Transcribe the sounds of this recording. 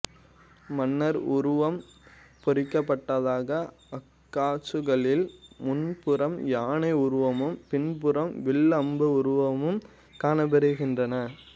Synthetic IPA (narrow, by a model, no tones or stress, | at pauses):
mɐnːɐɾʊɾʊʋɐmpɔɾɪkːɐpːɐʈːɐðaːɣɐ | ɐkːaːt͡ʃɯɣɐɭɪlmʊnpɯɾɐmjaːnɐɪʊɾʊʋɐmɯmpɪnpɯɾɐmʋɪɭɐmbɯʊɾʊʋɐmɯm | kaːnɐbɛɾɯɣɪndrɐnɐ